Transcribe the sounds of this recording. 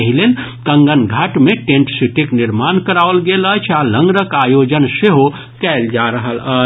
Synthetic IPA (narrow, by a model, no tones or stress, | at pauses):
əɦilen | kə̃ŋɡənɡʱaʈmeʈẽɳʈsiʈikniɾmankəɾaʋlɡelət͡ʃʰaləŋɡɾəkajod͡ʒənseɦo | kɛld͡ʒaɾəɦələ